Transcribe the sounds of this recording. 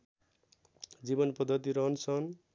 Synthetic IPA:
d͡zibʌnpʌd̪ʱʌt̪iɾʌnsʌn

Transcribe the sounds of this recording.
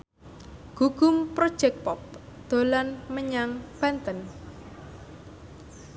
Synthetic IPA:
ɡ̥uɡ̥ʊmpɾod̥ʒ̥ɛk̚pɔp̚ | d̪̥o̤lanməɲaŋb̥ant̪ən

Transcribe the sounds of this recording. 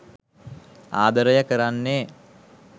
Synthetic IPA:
a̰ːd̪əɾəjəkəɾanːe

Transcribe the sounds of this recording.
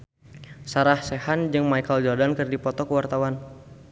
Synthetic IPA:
saɾahsehand͡ʒɨŋmajkəld͡ʒɔrdankərdipɔt̪ɔkəwart̪awan

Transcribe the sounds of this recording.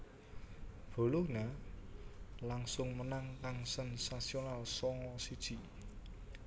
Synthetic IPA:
b̥o̤luna | laŋsʊŋmənaŋkaŋsənsasionalsɔŋɔsid̥ʒ̥i̤

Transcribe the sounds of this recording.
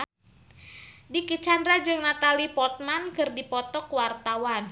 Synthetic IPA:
dikit͡ʃandɾad͡ʒɨŋnat̪alipɔt̪̚mankɨrdipɔt̪ɔkwart̪awan

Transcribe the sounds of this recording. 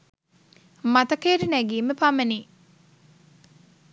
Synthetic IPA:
mɐt̪ɐkeːɾinæɡiːmepɐmeniː

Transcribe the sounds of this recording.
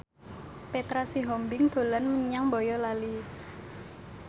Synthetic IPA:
pet̪ɾasiɦɔmbɪŋd̪̥o̤lanməɲaŋbɔjɔlali

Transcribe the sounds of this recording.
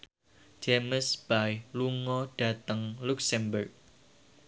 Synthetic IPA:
d͡ʒ̥eməsb̥ajluŋɔɖ̥ä̤t̪əŋluksɛmbərk̚

